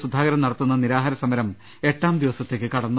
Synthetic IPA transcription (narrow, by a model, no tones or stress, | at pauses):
sud̪ʱːaːɡɐɾɐmnɐɽɐt̪ːunːɐniɾaːɦaːɾɐsɐmɐɾɐm | e̞ʈːaːmd̪iʋɐsɐt̪ːe̞ːkːɨkɐɽɐnːu